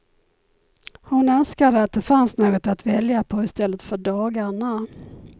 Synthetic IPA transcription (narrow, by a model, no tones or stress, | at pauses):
hʊnœnskad̪əat̪̚d̪ɛfansnoːɡɔt̪at̪vɛljapʰɔɪst̪ɛlːət̪fœɖɑːɡaɳa